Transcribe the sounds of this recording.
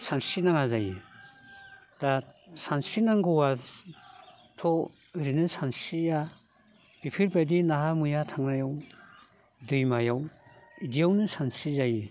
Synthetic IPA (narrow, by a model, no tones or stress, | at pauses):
sansinaŋazaji | tasansinaŋɡɯwa | tʰɔ | ɾinɯsansija | b̥ipʰiɾpadinaɦamujatʰaŋnajaw | dɯjmajawidijawnɯsansizaji